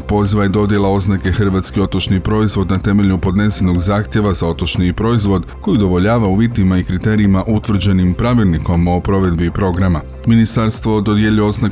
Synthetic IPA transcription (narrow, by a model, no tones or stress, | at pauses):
po̞ziʋajed̪o̞d̪je̞lao̞znake̞xr̩ʋat̪skio̞t̪o̞t͡ʃnipɾo̞izʋo̞d̪nat̪e̞me̞ʎɲupo̞d̪ne̞seno̞ɡzaːxt̪ʲje̞ʋazao̞t̪o̞t͡ʃniːpɾo̞izʋo̞d̪ko̞jid̪o̞ʋo̞ʎaːʋauʋit̪imaikɾit̪e̞ɾiimaʔut̪ʋr̩d͡ʑe̞nimpɾaʋilˠniko̞mo̞pɾo̞ʋe̞d̪bipɾo̞ɡɾama | minist̪aɾst̪ʋo̞d̪o̞d̪je̞ʎio̞zna